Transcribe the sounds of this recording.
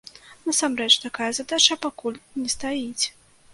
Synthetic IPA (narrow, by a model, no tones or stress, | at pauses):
nasamɾɛt͡ʂt̪akajɐzad̪at͡ʂɐpakulʲnʲɛst̪ajit͡sʲ